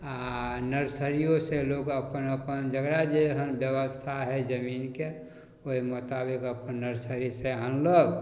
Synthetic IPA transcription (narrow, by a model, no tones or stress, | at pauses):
anəɾsəɾijoselokəpənəpənd͡ʒəɡɾad͡ʒeɦənbjəβəst̪ʰaɦɛd͡ʒəminke | oɦimot̪abikəpənːəɾsəɾiseanləɡ